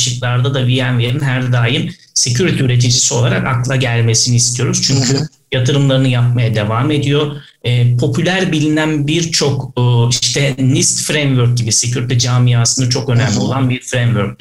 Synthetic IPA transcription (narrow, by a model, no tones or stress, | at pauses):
ʃɯklˠaɾd̪ad̪avijænve̞ɾinɦæɾd̪aːjim | secʰyɾit̪ʰɛyɾe̞t̪̬ʰid͡ʒisio̞lˠaɾakaklˠaɟælʲme̞siniist̪ʰijo̞ɾuz̥t͡ʃʰyɲcʰy | jat̪ʰɯɾɯmlˠaɾɯnɯjap̚majad̪e̞vaːme̞d̪ijo̞ | ɛːpʰo̞pʰylʲæɾbilʲinænbiɾt͡ʃʰo̞kːiʃt̪ʰɛnist̪fɾemvøɾc̚ɟibisecʰyɾit̪ʰɛd͡ʒaːmijaːsɯnd̪at͡ʃʰo̞kø̞næmlʲio̞lˠanbiɾfɾemvøɾc̚ʲ